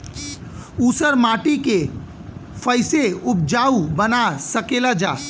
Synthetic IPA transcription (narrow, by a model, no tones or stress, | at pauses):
uːsəɾmaːʈike | fəɪseʊp̚d͡ʒaːubənasəkeːlad͡ʒaː